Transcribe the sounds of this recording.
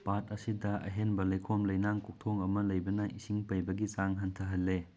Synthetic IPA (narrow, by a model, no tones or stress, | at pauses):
pat̚ɐsidɐɐ̰ɦenbɐlɐjkʰomlɐjnaŋkok̚tʰoŋɐmɐlɐjbɐnɐʔisiŋpɐjbɐɡit͡ʃaŋɦɐntʰɐɦɐlːe